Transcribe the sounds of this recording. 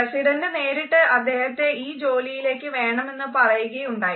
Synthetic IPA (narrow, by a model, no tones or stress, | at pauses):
esiɽɐndɨne̞ːɾiʈːɨʔɐd̪ːe̞ːhɐt̪ːe̞ʔiːd͡ʑo̞ːlijile̞ːkːɨʋe̞ːɳɐme̞nːɨpɐrɐjuɣɐjuɳɖaːji